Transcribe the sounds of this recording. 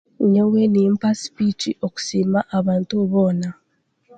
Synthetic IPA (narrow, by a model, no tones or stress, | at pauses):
ɲewenimpasi̥pit͡ʃiʔo̞ku̥siːmaʔaβaːntuβoːna